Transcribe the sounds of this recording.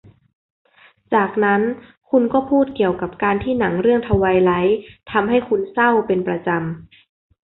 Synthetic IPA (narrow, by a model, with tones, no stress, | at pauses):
t͡ɕaː˨˩k̚na˦˥n | kʰu˧nkɔː˥˩pʰuː˥˩t̪̚ki˨˩əwka˨˩p̚kaː˧nt̪ʰiː˥˩na˩˦ŋɾɯ˥˩əŋt̪ʰa˧wa˧jla˦˥jt̪ʰa˧mɦa˥˩jkʰu˧nsa˥˩wpe˧npɾa˧t͡ɕa˧m